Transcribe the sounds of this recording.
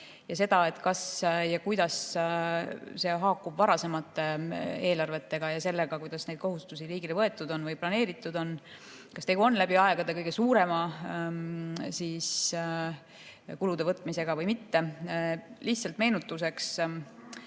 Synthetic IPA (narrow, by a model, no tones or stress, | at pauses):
jɑse̞d̪̥ɑe̞t̪ːˑkɑsjɑkujd̪̥ɑs | se̞ɦɑːkːˑubvɑɾɑse̞mɑt̪ːe̞e̞ːlɑrve̞t̪ːe̞ɡ̥ɑjɑse̞lːe̞ɡ̥ɑkujd̪̥ɑsne̞d̥̪ko̞ɦust̪usiliːɡilevɤe̞t̪ːˑud̪o̞nvɯjplɑne̞ːɾit̪ːˑud̪̥o̞n | kɑst̪e̞ɡuo̞nlæbiɑe̞ɡ̥ɑd̪e̞kɤjɡ̥e̞suːɾe̞mɑ | siːs | kulud̪e̞vɤt̪ːˑmise̞ɡ̥ɑvɤjmit̪ːe̞ | liht̪sɑlt̪me̞ːnut̪ːˑus̬e̞ks